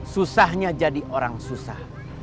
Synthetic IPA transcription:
susahɲad͡ʒadiʔoɾaŋsusah

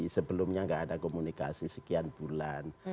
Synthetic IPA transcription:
səbəlʊmɲaŋɡaʔːdakomunika̰sisəkianb̥ulan

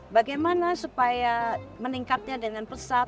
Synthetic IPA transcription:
baɡajmanasupajaməniŋkat̪̚ɲadəŋanpəsa

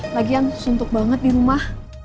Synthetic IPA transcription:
laɡiansunt̪ʊk̚baŋət̪̚diɾumah

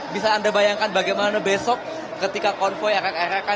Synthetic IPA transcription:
bisaːndabajaŋkanbaɡajmanabesɔk̚ | kət̪ikakɔnfɔjaɾakaɾaka

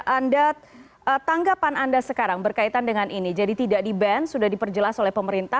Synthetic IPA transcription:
ʔanda | ət̪aŋɡapanandasəkaɾaŋbərkait̪andəŋanʔinid͡ʒadit̪idaʔdibɛnsudahdipərd͡ʒəlasolɛhpəməɾint̪a

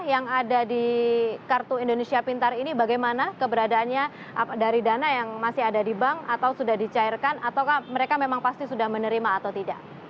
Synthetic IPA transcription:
jaŋadadikart̪uindonesiapint̪arinibaɡajmanakəbəɾadaːnɲa | daɾidanajaŋmasɪɦadadibaŋat̪awsudahdit͡ʃairkanat̪awkahməɾekamemaŋpast̪isudahmənəɾimaːt̪awt̪ida̰ʔ

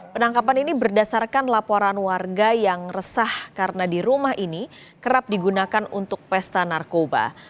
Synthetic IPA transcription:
pənaŋkapaninibərdasarkanlapoɾanwarɡajaŋrəsahkaɾənadiɾumahʔini | kəɾap̚diɡunakanṵnt̪ʊk̚pɛst̪anarkoba̰

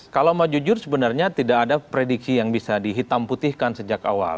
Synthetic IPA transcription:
kalawmad͡ʒud͡ʒʊrsəbənarɲat̪idakadapɾedik̚sijaŋbisadiɦit̪amput̪ihkansəd͡ʒaka̰wa̰l

